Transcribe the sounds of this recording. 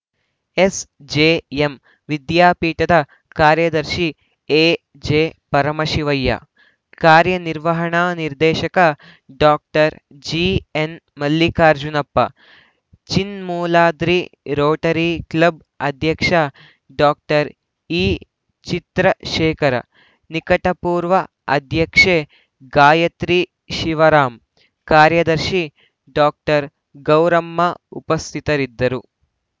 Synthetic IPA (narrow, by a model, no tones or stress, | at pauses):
esd͡ʒeːem | ʋid̪jaːpiːʈɐd̪ɐ | kaːɾjɐd̪ɐɾʃi | eː | d͡ʒeːpɐɾɐmɐʃiʋɐjːɐ̰ | kaːɾjɐniɾʋɐɦɐɳaːniɾd̪eːʃɐkɐ | ɖaːk̚ʈɐɾ | d͡ʒiːenmɐlːikaːɾd͡ʒunɐpːɐ̰ | t͡ʃinmuːlaːd̪ɾiɾoːʈɐɾiklɐb̚ | ɐd̪ʱjɐkʂɐ | ɖaːk̚ʈɐɾ | iː | t͡ʃit̪ɾɐʃɛːkɐɾɐ̰ | nikɐʈɐpuːɾʋɐ | ɐd̪ʱjɐkʂeː | ɡaːjɐt̪ɾi | ʃiʋɐɾaːm | kaːɾjɐd̪ɐɾʃi | ɖaːk̚ʈɐɾ | ɡɐwɾɐmːɐupɐst̪ʰit̪ɐɾid̪ːɐɾu